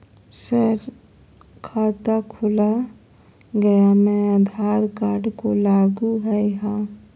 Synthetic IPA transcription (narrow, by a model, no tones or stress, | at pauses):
səɾ | kʰaːt̪akʰʊla | ɡəjamẽəd̪ʱaːɾkaːɾɖkolaːɡuɦəjɦã